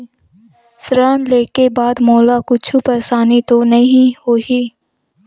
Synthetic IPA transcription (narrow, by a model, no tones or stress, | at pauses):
sɾaːnleːkebaːd̪mɔːlakʊt͡ʃʰupɛːsaːnit̪onɐɦĩhoːiː